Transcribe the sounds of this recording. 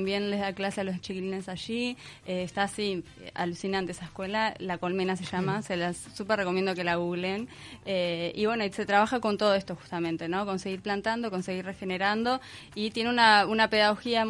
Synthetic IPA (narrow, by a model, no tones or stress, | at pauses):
mbje̞nle̞zðaklasealo̞st͡ʃikiline̞saʃieːst̪asi | a̰lusinãnt̪eesaehkwe̞lalako̞lmenas̬e̞ʃamaselasːupereko̞mjend̪oke̞laɣuɣlen | eiβwe̞noise̞t̪ɾaβ̞axako̞nt̪o̞ð̞oe̞st̪o̞xu̥st̪amẽnt̪e̞no̞ko̞nse̞ɣiɾplant̪and̪o̞ko̞nse̞ɣiɾre̞xe̞neɾand̪o̞ | it̪je̞neunaunape̞ðaɣ̞o̞xia